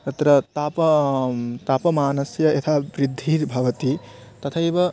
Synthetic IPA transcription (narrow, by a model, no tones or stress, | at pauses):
t̪ɐt̪ɾɐt̪apɐ | t̪apɐmaːnɐsjɐet̪ʰabɾid̪ʱːiɾbʱɐʋɐt̪it̪ɐt̪ʰaebɐ